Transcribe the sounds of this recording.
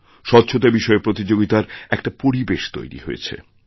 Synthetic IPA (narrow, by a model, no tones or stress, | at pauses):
ʃɔt̪ːɕʰot̪abiʃɔepɾot̪id͡ʑoɡit̪aɾɛk̚ʈapoɾibeʃt̪o̰jɾḭɦoḛt͡ɕʰḛ